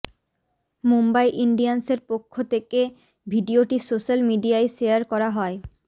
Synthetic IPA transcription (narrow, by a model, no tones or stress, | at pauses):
mumbajʔiɳɖianseɾpokʰːot̪ʰeke | bʱiɖioʈisoʃalmiɖiaeʃejaɾkɔɾaɦɔe